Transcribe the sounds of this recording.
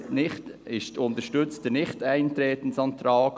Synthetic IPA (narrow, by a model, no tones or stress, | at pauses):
nɪχtɪʃtʊnt̪əɾʃtʏt͡stənɪχtæɪntɾeːtn̩sɑnt̪ɾɑːk